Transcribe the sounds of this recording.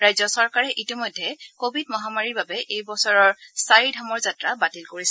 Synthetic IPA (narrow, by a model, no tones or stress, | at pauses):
ɹajzɔsɔɹkaɹɛʔitimɔjdʱːɛkobʱid̚mɔɦamaɹiɹbabɛʔejbɔsɔɹɔɹsaɹidʱamɔɹzatɹabatilkoɹis